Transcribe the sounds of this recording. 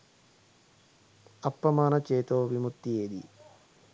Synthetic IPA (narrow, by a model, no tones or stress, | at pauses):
ɐpːɐmaːnɐt͡ʃeːt̪oːʋimut̪ːijeːd̪i